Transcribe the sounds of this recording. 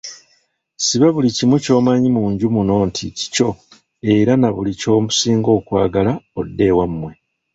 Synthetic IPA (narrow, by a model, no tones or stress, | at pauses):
siβaβulicimuco̞ːmaɲimuːɲɟumuno̞ːntʰici̥co̞ | e̞ɾanaβulico̞ːmusiːŋɡo̞ːkwaːɡalaodːe̞ːwamːwe̞